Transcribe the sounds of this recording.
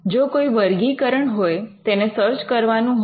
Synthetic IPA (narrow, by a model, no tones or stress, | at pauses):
d͡ʒokoiʋəɾɡikəɾəɳɦojt̪enesəɾt͡ʃkəɾʋanũɦ